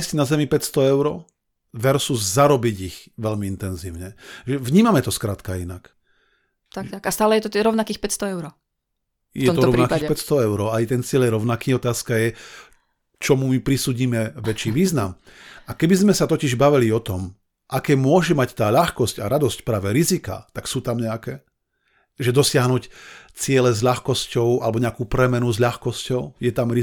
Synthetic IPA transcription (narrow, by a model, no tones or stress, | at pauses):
szɟnazɛmipɛtst̪ɔɛʊɾɔ̰ː | ʋɛɾsuzzaɾɔbiɟiɣʋɛʎmiint̪ɛnziːʊɲɛʒɛʋɲiːmamɛt̪ɔskɾaːt̪kainak | t̪at̪akast̪aːlɛjɛt̪ɔt̪ɾɔʊnakiːxpɛtst̪ɔɛʊɾɔ | j̪ɛɔmɔɾɔɔɾnakiːxpɛtst̪ɔɛʊɾɔajt̪ɛnt͡sɪɛljɛɾɔʊnakiːɔt̪aːskajɛ | t͡ʃɔmumipɾisuːɟiːmɛʋɛt͡ʃiːʋiːznamakɛbizmɛsat̪ɔciʒbaʋiliɔt̪ɔm | ʔakɛːmʊɔʒɛmact̪aːʎaxkɔscaɾad̪ɔscpɾaːʋɛɾizika̰t̪aksuːt̪amɲɛakɛː | ʒɛd̪ɔsɪaɦnuːct͡sɪɛlɛzʎaxkɔscɔʊa̰lɛbɔɲɛakuːpɾɛmɛnuzʎaxkɔscɔʊjɛt̪amɾi